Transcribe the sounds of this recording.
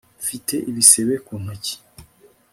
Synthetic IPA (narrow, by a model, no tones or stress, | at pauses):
fitʰe̞ʔiβiseβekunaci̥